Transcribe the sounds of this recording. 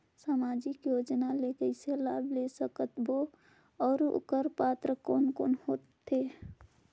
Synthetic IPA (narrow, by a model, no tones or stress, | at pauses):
samad͡ʒikjod͡ʒnalekəɪselablesəkət̪bo | ɔːɾṵkəɾpat̪ɾəkonkonhot̪ːe